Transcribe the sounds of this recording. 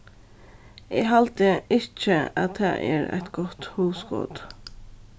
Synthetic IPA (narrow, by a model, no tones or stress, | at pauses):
eːɡɦalt̪əɪt͡ʃəa̰t̪̚ʰæ̰ːʔɛ̰ːɾæ̰ɪt̪ɡɔt̪huːsɡo̰ːd̪